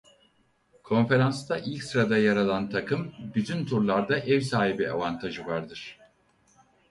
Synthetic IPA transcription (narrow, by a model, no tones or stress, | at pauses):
kʰo̞nfe̞ɾanst̪aʔilʲksɾad̪ajaɾalˠant̪ʰakʰɯmbyt̪ʰynt̪ʰuɾlˠaɾd̪aʔɛvsaːɦibia̰vant̪ʰaʒɯvaɾd̪ɯɾ̥